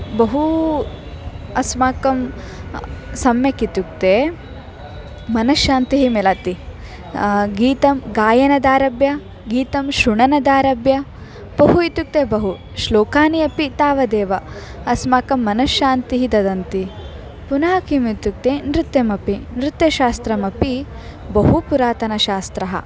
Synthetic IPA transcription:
bɐɦu | ɐsmaːkɐm | sɐmjɐkit̪uk̚t̪eː | mɐnɐʃaːnt̪iɦimelɐt̪i | ɡiːt̪ɐmɡaːjɐnɐd̪aːɾɐbjɐ | ɡiːt̪ɐmʃɾuɳɐnɐd̪aːɾɐbjɐ | b̥ɐɦuit̪uk̚t̪ebɐɦu | ʃloːkaːniɐpit̪aːʋɐd̪eːʋɐɐsmaːkɐmːɐnɐʃaːnt̪iɦid̪ɐd̪ɐnt̪i | punaːkimit̪uk̚t̪enɾut̪jemɐpinɾɪt̪jɐʃaːst̪ɾɐmɐpi | bɐɦupuɾaːt̪ɐnɐʃaːst̪ɾɐɦɐ̰

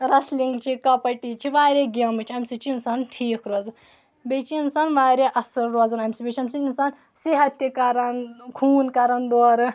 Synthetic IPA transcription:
ɾɐsliŋɡt͡ʃʰikɐpɐʈit͡ʃʰiʋaːɾeɡʲɐmɨt͡ʃʰɐmʲsit͡ʃinsanʈʰiːkʰɾoːzɐn | bet͡ʃʰiinsanʋaːɾeʔɐsɐlɾoːzɐnɐmsibet͡ʃʰɐmʲsiinsan | siɦɐt̪ːjɐkɐɾɐnkʰuːnkɐɾɐnd̪oːɾɨ

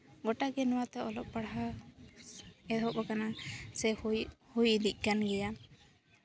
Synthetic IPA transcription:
ɡɔʈaɡɛnwat̪ɛɔlɔp̚ːbaɽɦa | ɛd̪ʱɔkɔkanasɛhhujd̪ic̚ˀkanɡɛja

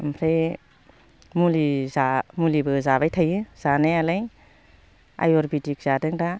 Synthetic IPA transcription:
mpʰɾej | mulizamulibɯzabajtʰajɯz̥anajalaj | a̰jɔɾbitik̚z̥adɯŋda

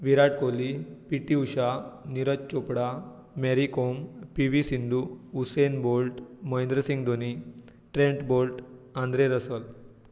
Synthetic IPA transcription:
ʋiɾaʈkolipiʈiuɕaniɾətt͡ɕopɽa | mɛɾikompiʋisind̪uusejnbolʈmɔjnd̪ɾəsĩŋɡd̪oni | ʈɾẽɳʈbolʈãnd̪ɾeɾəsəl

